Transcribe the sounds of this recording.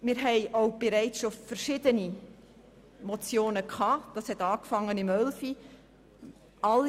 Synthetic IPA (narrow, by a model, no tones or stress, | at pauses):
mɪːɾɦɛɪʔoʊb̥eɾɛɪt͡sʃofrʃɪdəni | mɔt͡sjoːnəkʰhɑːd̥ɑːshɛtɑːkfɑŋːənɪmœlfi | ɑl